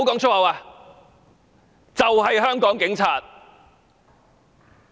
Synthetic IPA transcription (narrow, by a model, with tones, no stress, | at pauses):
wkɔː˨˥ŋt͡ʃʰɵ˥hɐ˨˧waː˧ | t͡sɐ˨wɦɐ˨jɦœː˥ŋkɔː˨˥ŋkɪ˨˥ŋt͡sʰaː˨t̚